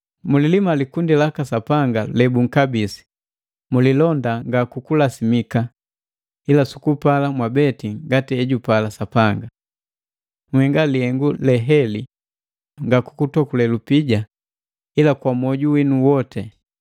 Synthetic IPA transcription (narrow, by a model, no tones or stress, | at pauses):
mulilimalikundilakasapaŋɡalɛbuŋ̩kabisi̥ | mulilɔndaŋɡakukulasimika | ilasu̥kupalamwabɛtiŋɡatiɛɟupalasapaŋɡa | ŋwhɛŋɡalihɛŋɡulɛɦɛli | ŋɡakukutɔkulɛlupiɟa | ilakwamɔɟuwinuwɔtʰɛ